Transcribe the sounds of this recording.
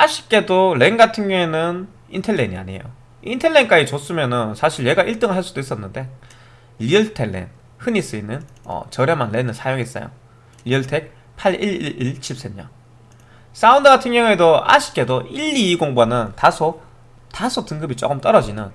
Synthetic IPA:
aɕʰi̥k̚k͈e̞doɭe̞nɡatʰɯŋɲjʌŋenɯn | intʰe̞ɭːeɲia̰ɲḛjo̰ | intʰe̞ɭːe̞nk͈ait͡ɕos͈ɯmjʌnɯnsʰaɕʰiɭje̞ɡaʔiɭt͈ɯŋɯɭɦaɭs͈ud̥ois͈ʌnːɯnde̞ | ʎiɭtʰelːḛn | hɯɲis͈ɯinɯn | ʌ̰t͡ɕʌɾjʌmanːenɯnsʰajoŋis͈ʌ̰jo̰ | ʎiɯɭtʰe̞k̚ | pʰaɭiɭiiɭt͡ɕʰip̚s͈emɲʌn | s͈aundɯɡatʰɯŋɲjʌŋe̞doa̰ɕʰi̥k͈̚e̞doiʎːiːɡoŋbanɯntasʰo | tasʰotɯŋɡɯbit͡ɕ͈o̰ɡɯmt͈ʌɾʌd͡ʑinɯn

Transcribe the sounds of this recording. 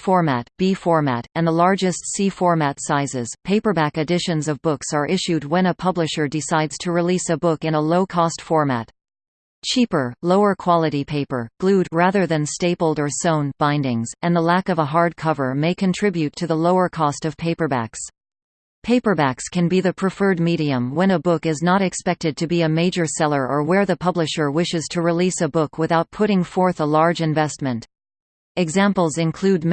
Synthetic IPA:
fɔɹmæt̚b̥ifɔɹmæ̰ɾɨ̃nðəlɑɹd͡ʒɨstsifɔɹmætsaɪzɪz̥pʰeɪpə˞bækɨdɪʃɨ̃nzʌvbʊksə˞ʔɪʃʉd̚wɨ̃ñəpʰʌblɨʃə˞dɨsaɪdz̥tʰɨɹilisɨbʊkɨ̃nəloʊkʰɔstfɔɹmæ̰t̚ | t͡ʃʰipə˞loʊə˞kʰw̥ɑlˠəɾipʰeɪpə˞ɡ̥lʉd̚ɹæðə˞ðɨ̃nsteɪpl̩ˠdə˞sõʊ̃nb̥ãɪ̃ndɪ̃ŋzɨ̃nðəlækʌvəɦɑɹd̚kʰʌvə˞meɪkʰɨ̃ntʰɹ̥ɪbjʉtʰɨðəloʊə˞kʰɔstʌv̥pʰeɪpə˞bæ̰ks | pʰeɪpə˞bækskʰɨ̃nbiðɨpʰɹ̥ɨfɜ˞d̚miɾiɨ̃mwə̃ñəbʊkɨznəɾɨkspɛk̚tɨd̚tʰɨbiɨmeɪd͡ʒə˞sɛlˠə˞ʔə˞wə˞ðɨpʰʌblɨʃə˞wɪʃɨz̥tʰɨɹilisəbʊkʰwɨθaʊt̚pʰʊɾɪ̃ŋfɔɹθəlɑɹd͡ʒɨ̃ɱvɛst̚mɨ̃nt | ɨɡzæ̃mpl̩ˠzɨ̃nkʰl̥ʉd̚m

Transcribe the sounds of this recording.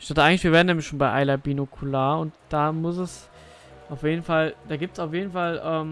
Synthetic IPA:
ɪçtatəʔaɪɡŋ̩lɪʃviːɐveɐdnɛːmlɪçʃoːnbaɪʔa̰ɪlabiːnokʰulaːʊntd̥aːmʊsɛs | ʔaʊfjeːdn̩fald̥aːɡiːp̚tsaʊfjeːdn̩falʔɛːm

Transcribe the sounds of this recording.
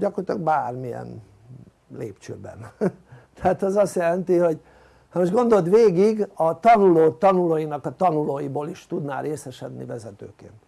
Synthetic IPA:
ɟɒkort̪lɒɡ̚baːrmijɛ̰n | leːpt͡ʃø̰ːbɛ̰nt̪ɛaːt̪ɛzɒst̪jɛlɛnt̪iho̞ɟ | hɒmoʒɡo̞nd̪o̞d̪ʋeːɡiɡɒt̪ɒnuloːt̪ɒnuloːjinɒkɒt̪ɒnuloːjiboːliʃt̪ud̪na̰ːɾeːsɛʃɛd̪nḭvɛzɛt̪ø̰ːkḛːnt̪

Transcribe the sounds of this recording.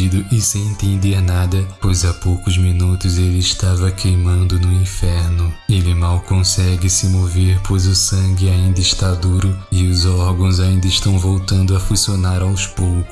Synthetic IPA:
id̪ʊʔɪsẽj̃ĩt̪ẽd̪eɾnad̪ɐpojzapowkʊzmĩnut̪ʊzelɪːʃt̪avɐkʰejmɐ̃nd̪ʊnʊĩfɛɾnʊelɪmawkõsɛɡɪsɪmoveɾpʰojzʊsɐ̃ŋɡɪaĩnd̪ɐɪʃt̪ad̪uɾʊɪʊzɔɾɡɐ̃w̃zaĩnd̪ɐɪʃt̪ɐ̃w̃vowt̪ɐ̃nd̪ʊɐfusionaɾawspowkʊ

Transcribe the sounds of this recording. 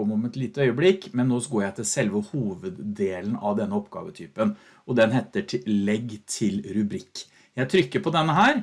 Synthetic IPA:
ɔmɔmɛt̪liːt̪əœʏəblɪkːmɛnːoːsɡoːɾjæɪt̪ʰɪlsɛlʋəhuːʋəd̪d̪eːln̩ɑʋd̪ɛnːəɔpɡɑ̰ːʋət̪ʰyːpən | ʔɔd̪ɛnɦeːt̪ːəʈʰɪlɛɡt̪ʰɪlɾʉbɾɪkː | jæɪt̪ʰɾʏkːəɾpʰɔd̪ɛnːəɦæːɾ

